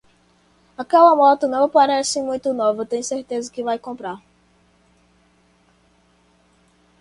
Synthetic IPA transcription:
akɛlɐmɔt̪ʊnɐ̃w̃paɾɛsɪ̃mũj̃t̪ʊnovɐt̪ẽj̃seɾt̪ezɐkɪvajkõpɾaɾ

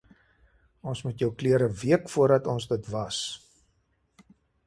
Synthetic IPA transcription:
ɔnsmutjœwkliəɾəviəkfuərdɐtɔnzdətvɐs

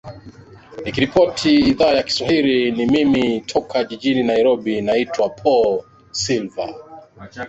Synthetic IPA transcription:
nikiɾipɔtʰiːðaːjaki̥swahilinimimitʰɔkʰaʄiʄininaiɾɔɓinaitwapʰɔl | silva̰

